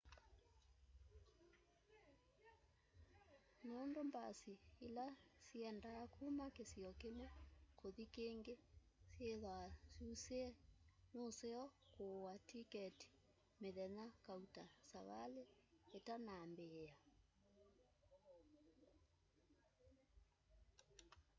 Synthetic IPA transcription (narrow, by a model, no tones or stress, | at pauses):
nondomba̰siilasiɛndakʰumakesiɔkemekoðikeŋɡe | sjeðwasuuseɛnoseɔkowatikɛti̥ | meðɛnakautasaβaleːtanambea